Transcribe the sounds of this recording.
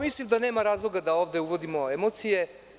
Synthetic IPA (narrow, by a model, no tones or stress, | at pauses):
mislimd̪ane̞ːmaɾaːzlˠo̞ɡad̪ao̞ːvd̪e̞uʋo̞d̪imo̞emo̞t̪sije̞